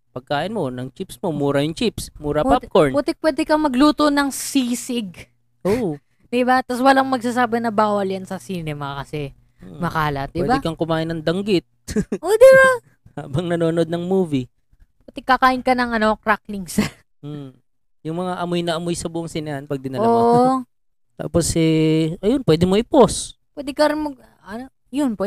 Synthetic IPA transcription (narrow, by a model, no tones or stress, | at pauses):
pɐɡ̚kaːʔɪnmonɐŋt͡ʃipsmo̞muːɾɐjʊŋt͡ʃipsmuːɾɐppap̚koɹnpɛt̪ɛpwɛːd̪ɛkɐmɐɡluːt̪onɐŋsisɪɡ | ʔo | d̪ɪbat̪ɐswɐlɐŋmɐɡ̚saːsaːbɪnɐbaːwɐljɐnsɐsinɛːmɐkɐsɛ | mɐkaːlɐt̪̚d̪ɪɛbaɪkɐŋkʊmaːʔɪnːɐŋd̪ɐŋɡɪt̪̚ʔod̪ɪba | haːbɐŋnɐnoːnʔod̪̚nɐŋmuːvi | ppɐt̪ɛkɐkaːʔɪnkɐnɐŋʔɐnokɾakliŋsɐ | jʊŋmɐŋaʔɐmojnɐʔɐmojsɐbuːʔɐŋsɪnɛɐnpɐɡ̚d̪ɪnɐoːaʔ | t̪a̰ːposɛʔɐjonpwɛːd̪ɪmoʔɪpospwɛːd̪ɪkɐɾɪnmɐɡ̚ | ʔɐno | jonpwɛ